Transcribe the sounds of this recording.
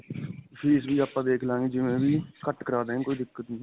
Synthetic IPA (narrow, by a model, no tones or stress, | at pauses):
pʰiːsbiːaːpãːd̪eːkʰlãːŋɡiːd͡ʒɪʋẽːbiːkəʈkəɾaːd̪eːkoːiːd̪ɪkːət̪nĩː